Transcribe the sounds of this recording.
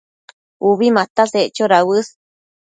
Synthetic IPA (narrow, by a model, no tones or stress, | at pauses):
uβimãt̪aseʔt͡ʃoɾawɨs